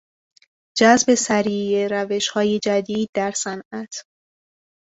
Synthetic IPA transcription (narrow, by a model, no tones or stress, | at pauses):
d͡ʒæzbe̞sæɾiːjeɾæve̞ʃhɒːje̞d͡ʒæd̪iːd̪̚ːæɾsænʔæt̪ʰ